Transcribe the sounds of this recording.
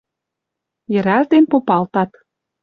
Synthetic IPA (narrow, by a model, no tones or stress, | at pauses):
jə̆ɾæʒd̪enpopɑlt̪ɑt̪